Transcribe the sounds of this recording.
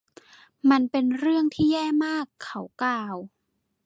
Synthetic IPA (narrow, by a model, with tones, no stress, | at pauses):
ma˧npe˧nɾɯ˥˩əŋt̪ʰiː˥˩jɛː˥˩maː˥˩kʰːa˨˦wklaː˧w